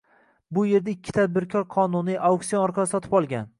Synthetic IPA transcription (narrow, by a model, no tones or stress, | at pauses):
bʊje̞ɾd̪aɪkʲʰːɪ̥t̪ʰad̪̚bɪɾkʲʰɒɾqʰɒnʊniʔauksijonɒɾqʰɑsɒt̪ʰɪ̥pɒlˠɡʲan